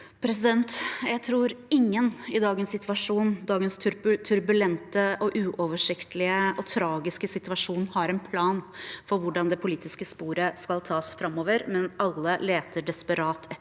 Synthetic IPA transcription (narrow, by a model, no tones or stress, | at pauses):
pʰɾɛs̬ɪd̪ɛnt̪jæɪt̪ʰɾuːɾɪŋːənɪd̪ɑːɡənssɪt̪ʋɑʂuːnd̪ɑːɡənst̪ʰʉɾt̪ʰʉɾbʉlɛnt̪əʔɔʔʉːʔɔʋəʂɪkt̪əlɪəɔt̪ʰɾɑːɡɪskəsɪt̪ʉʋɑʂuːnhɑɾɛnpʰlɑːnfɔɾʋʊɖɑnd̪ɛpʰʊliːt̪ɪskəspuːɾəskɑlt̪ʰɑːsfɾɑmːoːʋəɾmɛnɑlːəleːt̪əɖɛspəɾɑːt̪ʰɛ